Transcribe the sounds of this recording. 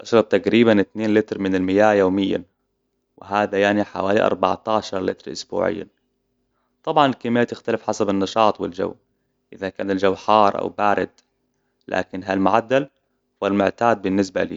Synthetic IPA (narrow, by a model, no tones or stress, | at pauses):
ʔaʃɾˤɑb̚t̪aqɾiːbanɪt̪neːnlɪt̪ɾmɪnɪlmɪjaːjoːmɪjːa̰ | wɪɦaːðajaʕniħa̰waːliʔɑ̰ɾˤba̰ʕt̪aːʃɑɾˤlɪ̰t̪ɾʔʊ̰sbṵːʕɪ̰jːa̰ | t̪ˤɑbʕɑnɪlkemːɪjːat̪ɪxt̪alɪfħasabɪnːɑʃɑːt̪ˤwɪld͡ʒa̰wː | ʔɪðakaːnɪld͡ʒawːħɑːɾˤʔa̰wbaːɾɪd̪̚ | lʔa̰ːkɪnɦalmʊʕad̪ːal | hʊwalmʊʕt̪aːd̪̚bɪnːɪs̬ba̰lḭː